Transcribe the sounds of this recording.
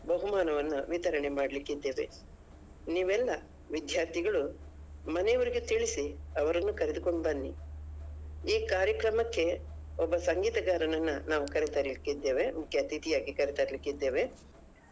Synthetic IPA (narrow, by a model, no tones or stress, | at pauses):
bɐɦumaːnɐʋɐnːuʋit̪ɐɾɐɳe̞maːɽɐlikːid̪ːe̞ːʋe̞̰ | niːʋɛlːɐ | ʋid̪jaːɾt̪ʰiɡɐɭumɐnɛjɐʋɐɾiɡet̪iɭisiɐʋɐɾɐnːukɐɾed̪uko̞ɳɖbɐnːi | iːkaːɾjɐkɾɐmɐkːe̞ | ɔbːɐsɐŋɡiːt̪ɐɡaːɾɐnɐnːɐnaːʋukɐɾit̪aɾilikːid̪ːeːʋe̞mukʰːjɐt̪it̪ijaːɡikɐɾit̪aɾlikːid̪ːe̞ːʋe̞